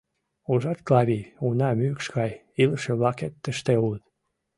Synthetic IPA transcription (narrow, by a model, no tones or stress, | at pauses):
uʒɑt̪klɑβʲiunæmykskɑj | ilʃeβɑket̪ːəʃt̪eult̪